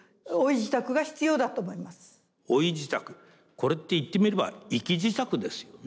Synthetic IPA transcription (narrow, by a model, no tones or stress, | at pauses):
oiʑit̪akɯ̟ɡaçi̥t͡sɨjo̞ːd̪at̪o̞ːmo̞imasɨ̥ | o̞id͡ʑit̪akɯ̟̥ | ko̞ɾe̞t̪ːe̞it̪ːe̞mʲiɾeba̰ikʲiʑit̪akɯ̟d̪e̞sɨ̥jo